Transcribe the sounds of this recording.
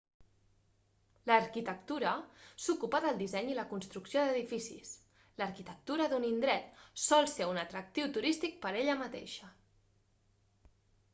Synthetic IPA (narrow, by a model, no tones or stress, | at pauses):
ləɾkit̪ək̚t̪uɾəsukupəðəlˠd̪izɛɲiləkunst̪ɾuksioðəðifisḭs | ləɾkit̪ək̚t̪uɾəðunind̪ɾɛt̪̚sɔlˠseunət̪ɾək̚t̪iwt̪uɾist̪ik̚pəɾeʎəmət̪ḛʃə